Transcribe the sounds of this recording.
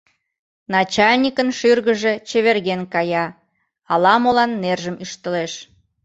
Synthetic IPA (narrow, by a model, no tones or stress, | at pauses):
nɑt͡ɕɑlʲnʲikənʃyrɣəʒe̽t͡ɕeβerɣenkɑjɑ | ɑlɑmolɑnːerʒəmyʃt̪əleʃ